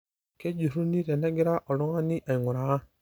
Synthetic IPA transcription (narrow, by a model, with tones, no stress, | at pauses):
ke˦d͡ʒu˨ɾu˦ni˦ɾɛ˨na˦ɡi˦ɾa˦ʔɔ˨lɔ˦ŋa˦ni˦ʔa˨ŋu˨ɾa˨˦